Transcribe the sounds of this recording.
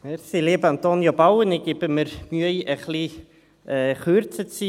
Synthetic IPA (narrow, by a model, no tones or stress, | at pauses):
mɛɾsileːbant̪oːnjobawənɪɡɪbəməɾmyəjəχli | ɛχøːɾt͡sət͡si